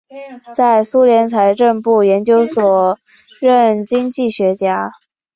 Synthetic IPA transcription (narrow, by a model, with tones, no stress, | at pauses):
t͡sa˥˩ɪsu˥ljɛ˧˥nt͡sʰa˧˥ɪʈ͡ʂə˥˧ŋpu˥˩jɛ˧˥nt͡ɕjo˥ʊswɔ˨˩ | ɻə˥˩nt͡ɕi˥ŋt͡ɕi˥˩ɕɥɛ˧˥t͡ɕja˥